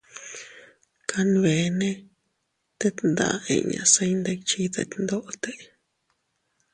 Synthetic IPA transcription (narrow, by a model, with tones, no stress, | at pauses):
kʰa˧nβe˨nẽ˦ | t̪e˦t̪nd̪a̰˧˨ḛ˨ɲã̰˧ʔse˦˧jnd̪e˧kt͡ʃi˦t̪a̰˨t̪ʲnd̪o˦ʔt̪e˦